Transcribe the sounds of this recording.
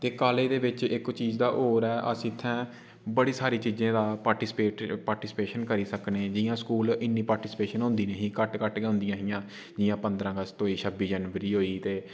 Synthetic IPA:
t̪eːkaːleːd̪eːbɪt͡ʃɪkt͡ʃiːzd̪aːʔoːɾɛːʔə̰sĩːt̪ʰːɛ̃ː | bəɽiːsaːɾiːt͡ʃiːzẽːd̪aːpaːʈiːspeːpaːɾʈiːspeːʃənkəɾiːsəkneːd͡ʒɪjãːskuːlɪnːiːpaːɾʈiːspeːʃənɦʊ̃nd̪iːneːɦĩːkəʈkəʈɡõːnd̪ijãːɦɪjãː | d͡ʒɪjãːpənd̪ɾãːɡəst̪õːiːʃʰəbiːd͡ʒəːnʋəɾiːɦoːiːt̪eː

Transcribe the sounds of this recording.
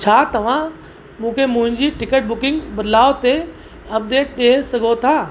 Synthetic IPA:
t͡ɕʰaːt̪ɐʋ̤ã | mũːkʰemʊ̃ɦɪ̃ɲd͡ʑiʈɪkəʈ̚bʊkɪ̃ŋɡbɐd̪ʱlaːot̪e | ɐp̚d̪eːʈ̚ɗeːsɐɡʱot̪ʰaː

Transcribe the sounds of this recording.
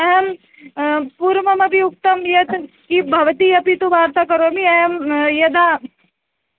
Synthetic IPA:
ɐɦɐm | puɾmɐmɐbʱiuk̚t̪ɐmjɐd̪ | kibʱɐʋɐt̪iɐpit̪uʋaːɾt̪akɐɾomiɐɦɐmjɐd̪a

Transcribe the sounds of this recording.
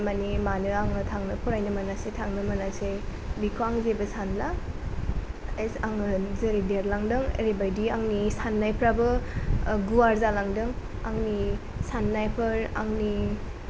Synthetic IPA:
manimanɯaŋɯtʰaŋnɯpʰɔɾajnɯmanasetʰaŋnɯmanasejbikʰuaŋzebɯsanla | esaŋɯzeɾideɾlaŋdɯŋ̰ɾebajdiaŋnisanːajpʰɾabɯ | ɡuwaɾzalaŋdɯŋ | aŋni | sanːajpʰɯɾa̰ŋni

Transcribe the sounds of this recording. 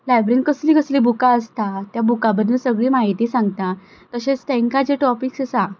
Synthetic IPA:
lajbɾinkəsliːkəsliːbukaəst̪at̪jabukabəd̪ʱːəsəɡɭiːmaɦit̪iːsãŋɡt̪a | t̪əɕet͡st̪ẽŋkad͡ʑeʈɔpiksəsa

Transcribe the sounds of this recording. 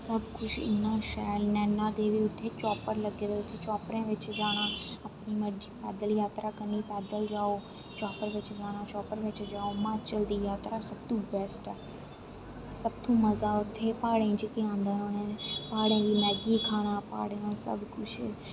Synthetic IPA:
sɐbʱkʊt͡ʃʰɪ̰naʃaːɪlnɛ̃ːnad̪eːʋiʊt̪ʰːet͡ɕɔːpəɾlɐɡed̪oʊt̪ʰet͡ʃɔːpɾẽʋɪt͡ʃd͡ʒaːɽ̃ãɐpnimɐd͡ʒipɛːd̪əljaːt̪ɾakɐnipɛːd̪əld͡ʒaːo | t͡ʃaːpəɾʋɪt͡ʃd͡ʒaːɽ̃ãt͡ʃɔːpəɾʋɪt͡ʃd͡ʒaːomãt͡ʃɐld̪ijaːt̪ɾasɐb̚t̪ʰũbɛːsʈɛː | sɐbt̪ʰũmɐzaʊt̪ʰːepaːɽẽd͡ʒekẽãːnd̪ʱənonẽpaːɽẽːd͡ʑimɛːɡikʰaːɽ̃apa̰ːɽẽsɐ̰bʱkʊt͡ʃʰ

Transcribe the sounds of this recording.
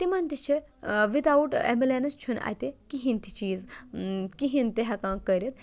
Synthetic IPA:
t̪imɐnʲt̪it͡ʃʰiʋit̪auʈḛmilenɐst͡ʃʰunʔa̰jt̪ekiɦint̪ʰi̥t͡ʃiːz | kiɦint̪iɦɐkãːkəɾʲit̪̚

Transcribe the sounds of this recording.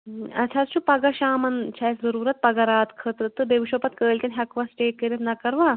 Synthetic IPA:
ɐt͡ʃʰatt͡ʃʰupɐɡɐʃaːmɐnt͡ʃʰɐːjszɐɾuːɾɐt̪̚pɐɡɐɾaːt̪kʰət̪ɾɨt̪ɨbeʋiʃopɐt̪kəːlʲk̪ʲɐnʲɦʲɐkʋɐsʈeːkːəɾʲet̪nɐkɐɾʋaː

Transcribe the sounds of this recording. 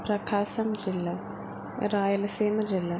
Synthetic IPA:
pɾɐkʰaːsɐmd͡ʒilːɐ | ɾaːjɐlɐsiːmɐd͡ʑilːɐ

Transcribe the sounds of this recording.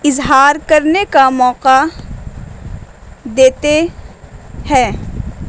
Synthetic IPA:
ɪzɦaːɾkɐɾnekamɔːqa | d̪eːt̪e | hɛː

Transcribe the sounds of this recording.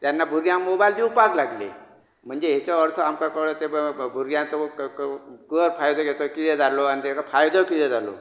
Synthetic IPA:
t̪janːabʱuɾjãmmobajld̪iupaklaɡlḛ | m̤əɳd͡zeɦet͡sɔəɾt̪ʰɔamkakəɭet̪ebʱuɾjãt͡s̪ɔ | ɡəɾfajd̪ʱɔɡet͡sɔkit̪ʰɛd͡zʱalɔanit̪jat͡sɔfʰajd̪ʱɔkit̪ʰɛd͡zʱalɔ̰

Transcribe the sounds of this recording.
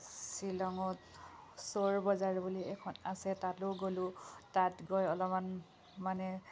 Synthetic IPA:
silɔŋɔtsoɹbɔzaɹbuliɛkʰɔnasɛtatoɡolʊtatɡɔjɔlɔman | manɛ

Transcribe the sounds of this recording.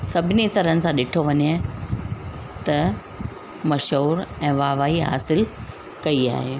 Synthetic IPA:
sɐbʱɪnit̪ɐɾənɪ̆sãɗɪʈʰoʋɐɲe | t̪ɐ | mɐʃɦuːɾɛ̃ːʋaːʋaːɦiɦa̰ːsɪl | kɐia̰ːɦeː

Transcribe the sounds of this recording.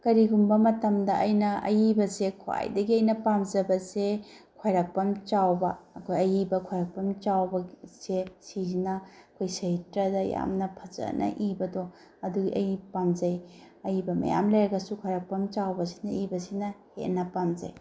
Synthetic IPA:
kɐɾiɡumbɐmɐtɐmdɐʔɐjnɐʔɐ̰jibɐsekʰoa̰jdɐɡiɐjnɐpamd͡ʒɐbɐse | kʰwajɾak̚pɐmt͡ʃawbɐːkʰojɐjibɐkʰwajɾɐk̚pɐmt͡ʃawbɐsesiznɐɐkʰojsɐitɾɐdɐja̰mnɐpʰɐzɐ̰nʔɐ̰ʔibɐdo | ɐduɡiʔɐjipamzɐjɐjibɐmɐ̰ja̰mlɐjɾɐɡɐsukʰwajɾak̚pɐmt͡ʃawbɐsi̥nɐibɐsinɐhḛtnɐpamzɐ̰j

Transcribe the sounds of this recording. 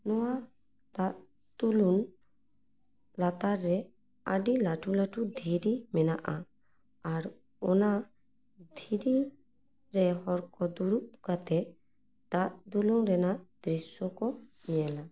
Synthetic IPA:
nɔwa | t̪aʔ | d̪ulun | lat̪aɾːɛ | a̰ɖilaʈʰulaʈud̪ʱiɾimɛnaʔaː | ɾ | ɔna | d̪ʱiɾi | ɾɛɦɔɾkɔd̪uɾup̚kat̪ɛ | t̪aʔd̪uluŋɾɛnad̪ɾisɔkɔniɛla

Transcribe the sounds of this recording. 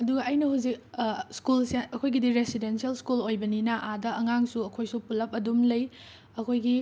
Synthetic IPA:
ɐduɡɐɐjnɐhuwzik̚skulseɐkʰojɡidiɾesidensiɐlskulojbɐninɐʔadɐʔɐŋaŋsuɐkʰojsupulɐp̚ɐdumlɐj | ɐkʰojɡi

